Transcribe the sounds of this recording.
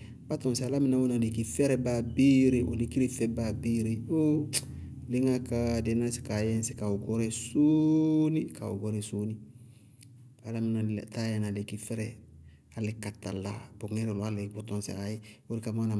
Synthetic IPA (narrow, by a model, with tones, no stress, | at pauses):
ba˦tɔ̃˨nsi˨a˨la˦mi˦na˨wo˦na˨le˨ki˨fɛ˦ɾɛ˦ba˨bi˦ɾe˦˨ʔo̰˨li˦ki˦ɾi˦fɛ˦ba˨biː˦ɾe˨o˦ | le˦ŋa˦ka˦dɛ˨˦na˦si̥˨ka˨jɛ˦n˦si˨ka˨o˨ɡɔ˦ɾɛ˦so˦ni˦ka̰˨o̰˨ɡɔ˦ɾɛ˨soː˦ni˦ | ba˨la˦mi˨na˨ta˦jɛ˨na˨le˨ki˨fɛ˦ɾɛ˨ | a˨le˨ka˨ta̰˨la˨bo˨ŋɛ˦ɾo˨lo˨a˦le˨bɔ˦tɔ̃˨nse˨a˨je˦wo˦ɾi˦ka˨ma˦na˨